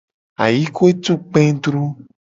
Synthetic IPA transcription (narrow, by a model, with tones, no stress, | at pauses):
a̰˨ji˦ko˦e˦t̪u˦k͡pẽ˦d̪ɾu˦